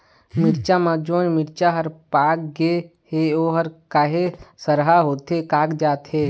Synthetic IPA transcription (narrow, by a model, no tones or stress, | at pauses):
mɪɾt͡ʃamãd͡ʒoːnmɪɾt͡ʃaɦəɾpaːkɡeheoːɦəɾkaːɦesəɾɦaɦoːt̪ɦekaːkd͡ʒaːt̪ɦeː